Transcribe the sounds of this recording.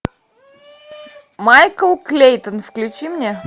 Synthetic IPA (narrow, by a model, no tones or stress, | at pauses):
majkəlˠklʲejt̪ənfklʲʉt͡ɕimnʲe